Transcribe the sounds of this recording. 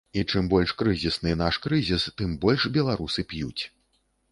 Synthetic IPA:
it͡ʂɨmbɔlʲʂkɾɨzʲisnɨnaʂkɾɨzʲist̪ɨmbɔlʲʂbʲɛlˠaɾusɨpjṵt͡sʲ

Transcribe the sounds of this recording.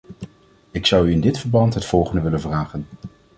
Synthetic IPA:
ɪksʌwyɪndɪtfəɹbɑntɦətfɔlˠχəndəʋɪlənvraːχən

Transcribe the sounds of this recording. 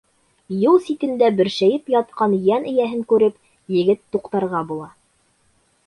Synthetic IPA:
jɤlˠsit̪ɘ̆nd̪æbɘ̆ɾʃæjɘpjɑt̪̚qɑnjænɘ̆jæɦɘŋkʉɾɘp | jɘ̆ɡɘt̪ːuqt̪ɑɾʁɑbulˠɑ

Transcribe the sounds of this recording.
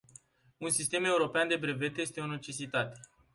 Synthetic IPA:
unsist̪e̞me̞uɾo̞peand̪e̞bɾe̞ve̞t̪je̞st̪e̞o̞ne̞t͡ʃe̞sit̪at̪e̥

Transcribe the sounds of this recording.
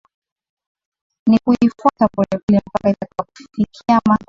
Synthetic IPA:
nikuifuatabɔlɛvilɛm̩pakaitakiwaku̥ffikʰiama

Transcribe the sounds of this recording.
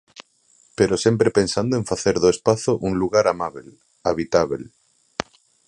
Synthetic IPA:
pe̞ɾo̞sje̞mpɾepe̞nsand̪oẽɱfaθe̞ɾðoespaθoʔunluɣaɾamaβel | aβ̞it̪aβ̞ḛl

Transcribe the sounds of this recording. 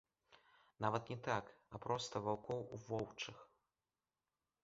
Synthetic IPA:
navɐt̪nʲɛt̪akɐpɾɔst̪ɐvawkɔwuvɔwt͡ʂɨx

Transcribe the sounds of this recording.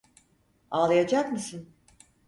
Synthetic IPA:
aːlˠajad͡ʒakmɯsɯn

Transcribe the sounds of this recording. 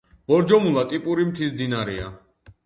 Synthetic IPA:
b̥ɔɾd͡ʒɔmulˠat̪ʼipʼuɾimt̪ʰisd̪inaɾɛa̰

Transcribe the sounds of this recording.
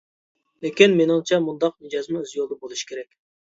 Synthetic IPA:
lekʲinmenɪŋt͡ʃʰɛmund̪ɑqnɪd͡ʒɑzmɛøzjolˠd̪əbolˠuʃi̥kʲʰeɾɛkʲ

